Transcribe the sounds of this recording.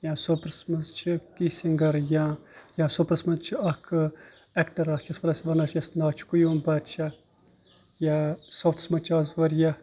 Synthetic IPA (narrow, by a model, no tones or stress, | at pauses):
jãːsopɾɐsmɐzt͡ʃʰikisʲiŋɡɐɾjãːjãːsopɾɐsmɐzt͡ʃʰiɐkʰɨ | ɛkʈɐɾaːkʲʰɐspɐɾɐsʲʋɐnɐt͡ʃʰjɐsnaːt͡ʃʰi̥kujuːnbɐt̪t͡ʃʰɐ | jasowt̪ʰsmɐt͡ʃʰɐːzʋɐɾjɐ